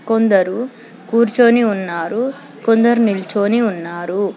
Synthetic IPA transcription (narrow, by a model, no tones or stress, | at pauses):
kond̪ɐɾu | kuːɾt͡ʃo̞ːniunːaːɾu | kond̪ɐɾunilt͡ʃoːniunːaːɾu